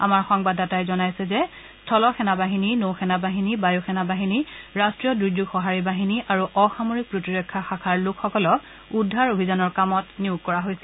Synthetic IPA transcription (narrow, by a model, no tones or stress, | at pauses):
a̰maɹxɔŋbadatajzɔnajsɛzɛ | stʰɔlɔxɛnabaɦininowxɛnabaɦinibajoxɛnabaɦiniɹastɹijɔdɹud͡ʒuɡxɔɦaɹibaɦiniʔaɹuʔɔxamoɹik̚pɹotiɹɔkʰːaxakʰaɹlʊkxɔkɔlɔ | udʱːaɹobʱizanɔɹkamɔtniʊɡ̚kɔɹaɦojsɛ